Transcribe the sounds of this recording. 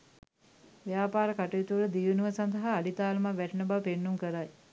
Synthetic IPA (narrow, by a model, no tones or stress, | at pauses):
ʋjaːpaːɾəkaʈujit̪uʋləd̪iːʋənuʋəsand̪əɦaːlit̪aːlmaʋæʈənəbapenːuŋkəɾaj